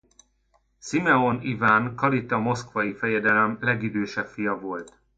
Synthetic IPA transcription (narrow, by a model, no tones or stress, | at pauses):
simɛo̞nivaːnkɒlit̪ɒmo̞skvɒjifɛjɛd̪ɛlɛmlɛɡid̪øːʃɛpfijɒvo̞lt̪